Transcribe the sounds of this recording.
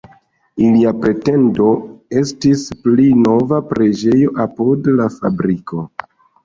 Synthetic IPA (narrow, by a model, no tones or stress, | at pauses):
iliapɾe̞te̞ndo̞e̞stisplino̞vapɾe̞d͡ʒe̞jo̞ʔapodlafabɾikʰo̞